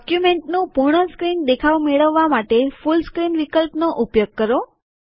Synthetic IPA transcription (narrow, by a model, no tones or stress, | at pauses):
kjumeɳʈnũpuɾɳ̃əskɾind̪ekʰaʋmeɭəʋːamaʈefulskɾinʋikəlpnoʔupjoɡ̚kəɾo